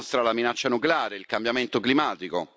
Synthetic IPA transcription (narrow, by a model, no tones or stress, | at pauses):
st̪ɾalaminat͡ʃːanukleaːɾeilkambjament̪oklimaːt̪iko̰